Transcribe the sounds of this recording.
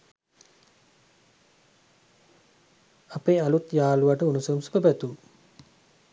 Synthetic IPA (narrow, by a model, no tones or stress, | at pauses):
apeːalut̪jaːluʋaʈəunusoumsu̥pəbæt̪u